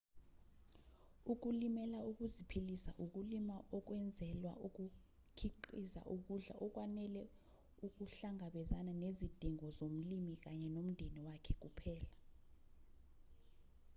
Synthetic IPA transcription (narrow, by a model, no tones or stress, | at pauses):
uk̬ulimɛlauk̬ʼuzipʰilisa̰ʔuk̬ulimaʔɔk̬wɛnd͡zʱɛlwa̰ʔuk̬ʼu | kʰiǃiza̰ʔuk̬uɮa̰ʔɔk̬ʼwanɛlɛ | uk̬ʼuɬaŋʱaɓɛzananezid̥ʱiŋɔzom̩limik̬aɲɛnom̩ndʱeniwakʰɛk̬upʰɛːla